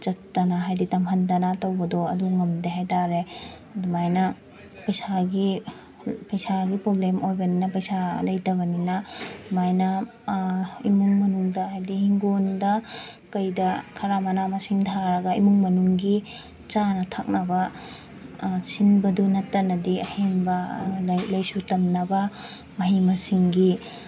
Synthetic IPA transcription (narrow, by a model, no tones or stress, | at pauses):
t͡ʃɐtːɐnaɦajditɐmɦɐndɐnatɐwbɐdɔɐduŋɐmdeɦajtaɾe | dumajnɐ | pɐjsaɡi | pɐjsaɡipɾoblemʔojbɐninɐpɐjsalɐjtɐβɐninɐdumajnɐ | imuŋmɐnuŋdɐɦajdihiŋɡondɐkɐjdɐkʰɐɾamɐnamɐsiŋtʰaɾɐɡɐimuŋmɐnuŋɡi | t͡ʃanɐtʰak̚nɐbɐ | sinbɐdunɐtːɐnɐdiɐhenbɐ | lɐjsutɐmnɐbɐ | mɐɦimɐsiŋɡi